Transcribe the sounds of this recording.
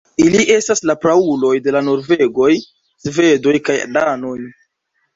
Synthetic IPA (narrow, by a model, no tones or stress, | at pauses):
iliʔe̞staslapɾaulo̞jde̞lano̞ɾve̞ɡo̞j | sve̞do̞jkaja̰dano̞j